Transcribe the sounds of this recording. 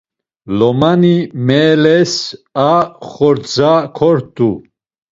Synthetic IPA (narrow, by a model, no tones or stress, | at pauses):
lɔmanimɛːlɛsaχɔɾt͡sakʰɔɾt̪ʼu